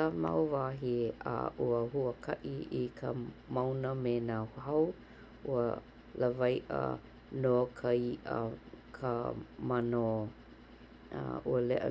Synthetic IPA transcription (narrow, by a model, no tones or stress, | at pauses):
əma̰wvaːɦiʔa̰ʔuəɦuəkʰɐʔiikʰəmawnəmenahɐw | ʔuə | ləvajʔə̰ | nokʰəiʔə̰kʰəmano | uəlɛʔə̰